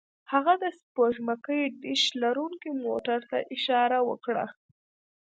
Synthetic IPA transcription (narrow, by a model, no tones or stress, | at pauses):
haɣad̪əspoʒmakəjɖɪʃlaɾuŋkimoʈaɾt̪a̰ʔɪʃɑɾawə̰kɽa̰